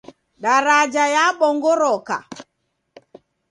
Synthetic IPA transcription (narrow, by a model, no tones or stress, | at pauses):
ɗaɾad͡ʒajaɓɔŋɡɔɾɔka̰